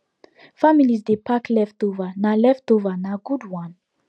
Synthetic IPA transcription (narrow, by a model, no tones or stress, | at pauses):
familizdepʰaklɛftovanalɛftovanaɡudwãn